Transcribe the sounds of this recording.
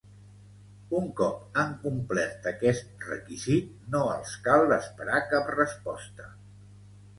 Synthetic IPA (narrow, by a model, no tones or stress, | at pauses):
uŋkɔp̚əŋkumplɛɾt̪əkɛst̪̚rə̰kizit̪̚ | noə̰lˠskalˠd̪əspəɾakaprəspɔst̪ə